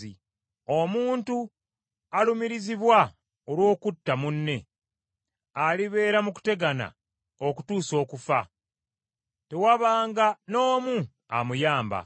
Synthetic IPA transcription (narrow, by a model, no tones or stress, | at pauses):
i | o̞muːntu | alumiɾiziβwa | olwo̞ːkutːamunːe̞ | aliβe̞ːɾamuku̥te̞ɡana̰ | o̞ku̥tuːso̞ːkufa̰ | te̞waβaːŋɡano̞ːmu | amujaːmba̰